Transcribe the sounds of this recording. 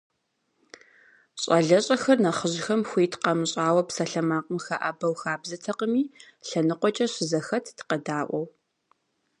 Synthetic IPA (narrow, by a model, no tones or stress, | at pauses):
ɕʼɐɮɐɕʼɐxɐrnɐχəʑxɐmxʷiːtʰqɐmɨɕʼaːwɐpsɐɬɐmaːqʼəmxɐʔɐbɐwxaːbzɐtʰɐqəmiːɬɐnɨqʷɔt͡ʃʼɐɕɪzɐxɐtʰtqɐdaːʔʷɔw